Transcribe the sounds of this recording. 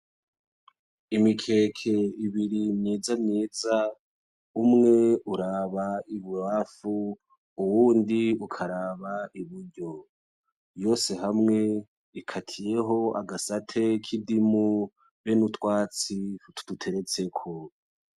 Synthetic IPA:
imikʰe̞ːkʰe̞iβiɾimɲeːzamɲe̞ːza | umŋe̞uɾaβaiβuhafuː | wuːndiukʰaɾaːβaiβuɾɟo̞ | jo̞ːse̞ɦamŋe̞ | ikʰatʰije̞ɦo̞a̰ɡasatʰe̞kʰidimu | βenutwaːt͡sitʰu̥dutʰe̞ɾe̞t͡se̞kʰo

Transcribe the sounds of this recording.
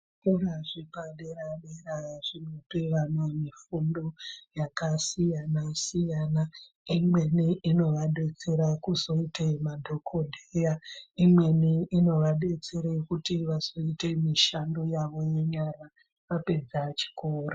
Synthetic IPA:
eɾaʐipaɗe̞ɾaɗeɾaʐ̥ino̞peʋanamifundo̞jakasijanasijana | imwe̞niʔino̞ʋaɗe̞t͡se̞ɾakuzo̞itemadʱo̞kʰo̞dʱejaimwe̞niino̞ʋaɗe̞t͡se̞ɾekutiʋazo̞ite̞miʃando̞jaʋo̞je̞ɲaɾa | ʋape̞d͡zat͡ʃi̥koːro

